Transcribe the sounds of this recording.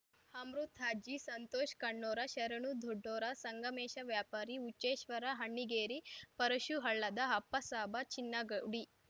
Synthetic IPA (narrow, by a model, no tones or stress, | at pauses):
hɐmɾut̪ɦaːd͡ʒisɐnt̪oːʃkɐɳːoːɾɐʃɐɾɐɳud̪ʱoɖːoːɾɐsɐŋɡɐmeːʃɐʋjaːpaːɾiut͡ʃːeːʃʋɐɾɐɦɐɳːiɡeːɾipɐɾɐʃuɦɐɭːɐd̪ɐɦɐpːɐsaːbɐt͡ʃinːɐɡɐɽi